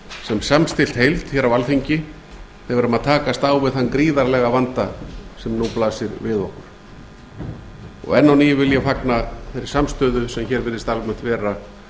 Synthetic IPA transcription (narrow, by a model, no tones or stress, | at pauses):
sɛmsamst̪ɪlt̪hejlt̪fçɛːɾavalθiɲcɪ | θɪvɛɾʏmaðt̪ʰaːkast̪aːwvɪðθanːkɾiːðaɾlɛɣavant̪asɛmnuwplaːsɪɾvɪðɔhkʏɾ̥ | ɔ̰ɣɛnːawniːjʏvɪljafaknaθɛɾɪɾ̥samst̪œːðʏsɛmçɛːɾvɪɾðɪst̪alvmʏm̥t̪vɛːɾa